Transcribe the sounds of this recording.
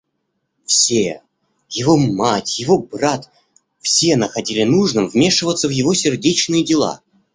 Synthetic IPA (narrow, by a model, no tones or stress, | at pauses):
fsʲe | jɪvomatʲjɪvo̞brat̪ | fsʲe̞nəxɐdʲilʲɪnuʐnɨmvmʲe̞ʂɨvət̪səvjɪvosʲɪrdʲet͡ɕnɨjədʲɪlˠa̰